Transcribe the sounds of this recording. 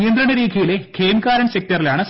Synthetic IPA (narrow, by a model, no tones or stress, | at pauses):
ijɐnd̪ɾɐɳɐɾiːkʰijile̞kʰeːmkaːɾɐɳɕɐk̚t̪ɐrilaːɳɨs